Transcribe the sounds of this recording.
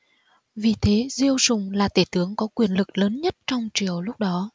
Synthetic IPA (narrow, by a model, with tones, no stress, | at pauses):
vi˨˩t̪ʰe˨˦zi˧əwzʊ˨˩ŋ͡mlaː˨˩t̪e˧˩t̪ɨ˨˦əŋkɔ˨˦kwi˨˩ənlɨ˨˩k̚ləː˨˦nɲə˦˥t̚t͡ɕɔ˧wŋ͡mt͡ɕi˨˩˨əwlʊ˦˥k͡p̚ɗɔ˨˦